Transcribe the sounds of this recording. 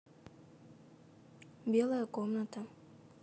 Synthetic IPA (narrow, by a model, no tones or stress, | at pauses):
bielˠajekomnat̪a